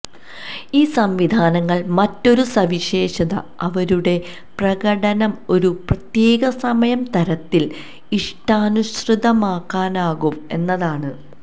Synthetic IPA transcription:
iːsɐmʋid̪ʱaːnɐŋːɐɭmɐtːo̞ɾusɐʋiɕe̞ːɕɐðɐ̰ɐʋɐɾuɽe̞ | prɐɣɐɽɐnɐmo̞ɾuprɐt̪je̞ːɡɐsɐmɐjɐmt̪ɐɾɐt̪ːil | iʂʈaːnuɕrɨd̪ɐmaːkːaːnaːɣume̞nːɐðaːɳɨ

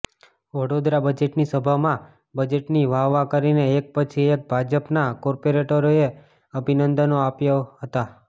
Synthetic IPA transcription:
ʋəɽod̪ɾabəd͡ʒeʈnisəbʱamã | bəd͡ʒeʈniʋaʋːakəɾineːk̚pət͡ʃʰiek̚bʱad͡ʒəpnakɔɾpoɾeʈəɾoe | əbʱinənd̪ənoapjaɦət̪a

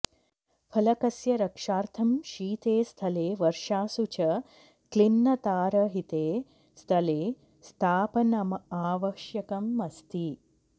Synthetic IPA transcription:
pʰɐlɐkɐsjɐɾɐkʂaːɾt̪ʰɐmʃiːt̪eːst̪ʰɐleːʋɐɾʃaːsut͡ʃɐ | klinːɐt̪aːɾɐɦit̪eː | st̪ʰɐleː | st̪ʰaːpɐnɐmɐaːʋɐʃjɐkɐmːɐst̪i

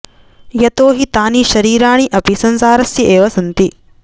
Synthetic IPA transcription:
jɐt̪oːɦit̪aːniʃɐɾiːɾaːɳ̃iʔɐpisɐnsaːɾɐsjɐʔeːʋɐsɐnt̪i

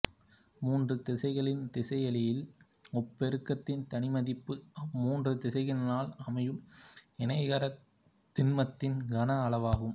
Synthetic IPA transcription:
muːndrɯt̪ɪsɐɪɣɐɭɪnt̪ɪsɐɪɐɭɪjɪl | ɔpːɛɾɯkːɐt̪ːɪnt̪ɐnɪmɐðɪpːɯmuːndrɯt̪ɪsɐɪɣɐnaːlɐmɐjɯmɛnɐɪɣɐɾɐ | t̪ːɪnmɐt̪ːɪnɡɐnɐːlɐʋaːɣɯm

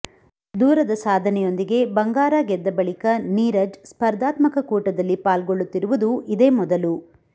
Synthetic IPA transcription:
d̪uːɾɐd̪ɐsaːd̪ʱɐnɛjo̞nd̪iɡe̞bɐŋɡaːɾaɡɛd̪ːɐbɐɭikɐniːɾɐd͡ʒspɐɾd̪aːt̪mɐkɐkuːʈɐd̪ɐlːipaːlɡoɭːut̪ːiɾuʋud̪uʔid̪e̞ːmɔd̪ɐlu

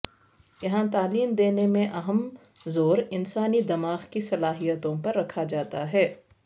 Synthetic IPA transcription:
jɐɦãt̪aːliːmd̪eːnemẽʔɐɦəm | zoːɾɪnsaːnid̪ɐmaːɣkisɐlaːɦijət̪õpɐɾːɐkʰad͡ʒaːt̪aɦɛː

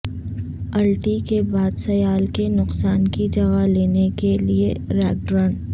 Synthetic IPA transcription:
ɐlʈikebaːd̪sɐjaːlkenʊqsaːnkid͡ʒɐɣaleːnekelieɾɛːk̚ɖɾə̃ːɳ

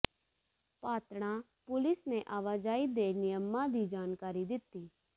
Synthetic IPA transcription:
paːt̪ɽ̃ãː | pʊlɪsneʔaːʋaːd͡ʒaːid̪eːnɪjəmːãːd̪iːd͡ʒaːnkaːɾid̪ɪt̪ːiː

